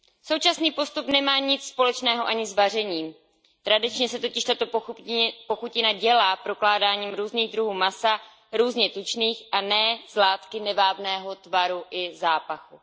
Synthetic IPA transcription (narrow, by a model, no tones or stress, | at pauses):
so̞wt͡ʃasniːpo̞st̪upnɛmaːɲɪt͡sspo̞lɛt͡ʃnɛːɦo̞ʔaɲɪzvar̝ɛɲiːm | t̪ɾadɪt͡ʃɲɛsɛt̪o̞cɪʃt̪at̪o̞ | po̞xucɪnaɟɛlaːpɾo̞klaːdaːɲiːmɾuːzniːɣd̪ɾuɦuːmasa | ɾuːzɲɛt̪ut͡ʃniːxʔanɛːz̥laːt̪kɪnɛvaːvnɛːɦo̞t̪vaɾuʔɪzaːpaxu